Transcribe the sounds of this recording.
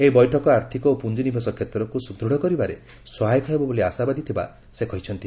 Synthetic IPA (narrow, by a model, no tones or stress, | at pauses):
eibɔjʈʰɔkɔaɾt̪ʰikɔopund͡ʒinibʱesɔkʰet̪ɾɔkusud̪ɾuɽ̤ɔkɔɾibaɾe | sɔɦajɔkʰɔɦebɔboliasabad̪it̪ʰiba̰ | sekɔɦit͡ʃʰɔnt̪i